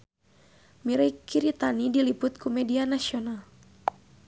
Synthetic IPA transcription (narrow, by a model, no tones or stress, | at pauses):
miɾakiɾit̪anidilipʊt̪̚kumɛdianasional